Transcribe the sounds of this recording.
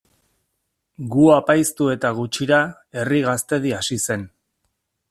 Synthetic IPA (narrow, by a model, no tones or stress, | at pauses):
ɡuapajst̪ue̞t̪aɣ̞ut͡ʃiɾa | e̞riɣ̞ast̪e̞ð̞iasise̞n